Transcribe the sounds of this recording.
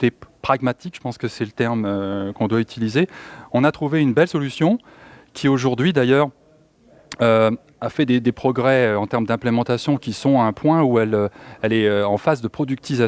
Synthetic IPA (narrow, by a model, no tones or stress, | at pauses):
t̪epχaɡmat̪ikʒə̥pɑ̃skəsɛlət̪ɛʁmøkɔ̃d̪wayt̪ʰilizeɔ̃nat̪χuveynbɛlsɔlysjɔ̃ | kʲʰioʒuʁd̪ɥid̪ajœːʁ | ø | afɛd̪ed̪epχɔɡʁɛøɑ̃t̪ɛʁmd̪ɛ̃plemɑ̃t̪asjɔ̃kʲisɔ̃ɛ̃pwɛ̃uɛløɛlɛøɑ̃fazd̪əpχɔd̪yk̚t̪iza